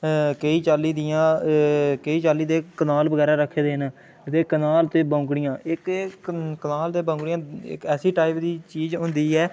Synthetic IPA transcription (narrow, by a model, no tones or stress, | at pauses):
kəiːt͡ʃaːliːd̪ɪjãː | kəiːt͡ʃaːliːd̪eːkənaːlbəɡɛːɾaːɾəkʰːeːd̪eːnaː | ɪt̪eːkənaːlt̪eːbãːʊkɽɪjãːʔɪk | kənaːlt̪eːbãʊ̃ŋkɽijãːɪ̰kɛːsiːʈaːɪpd̪iːt͡ʃiːzɦʊ̃nd̪iːɛː